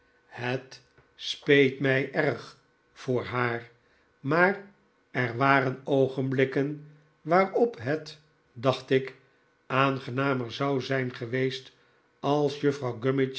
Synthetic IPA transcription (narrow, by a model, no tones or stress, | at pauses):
hət | spejtmɛjʔɛrχ | fʊːɹɦaːr | maːr | ɛrʋaːɾənowχənblɪkən | ʋaːrɔpɦət | dɑχtɪk | aːnχənaːməɹzɑwzɛjnχəʋejst | ɑlˠsjɵfrɑwɡømɪt͡ʃ